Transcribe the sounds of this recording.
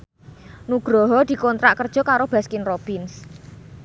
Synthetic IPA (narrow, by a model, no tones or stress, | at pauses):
nuɡ̥ɾɔɦɔd̪̥i̤kɔnt̪ɾa̰ʔkərd̥ʒ̥ɔ̤kaɾob̥askɪnrob̥ɪns